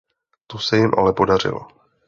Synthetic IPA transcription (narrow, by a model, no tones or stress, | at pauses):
t̪osɛjɪmʔa̰lɛpo̞dar̝ɪ̰lo̰